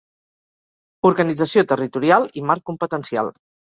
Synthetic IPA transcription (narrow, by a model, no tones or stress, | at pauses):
uɾɣənid͡zəsiot̪ərit̪uɾialˠimaɾkːumpət̪ənsia̰lˠ